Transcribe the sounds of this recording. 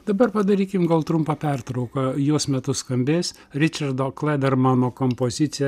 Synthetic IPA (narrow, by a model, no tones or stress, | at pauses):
d̪ɐbɐɾpɐd̪ɐɾʲiːkʲɪmɡɐlˠt̪ɾʊmpɐpʲɛrt̪ɾɐʊkɐjuɔsmʲɛt̪ʊskɐmʲbʲeːsʲ | ɾʲɪt͡ʃʲɐɾd̪oːklʲˠɛd̪ʲɛɾmɑnoːkompoːzʲɪt̪sʲɪjɛ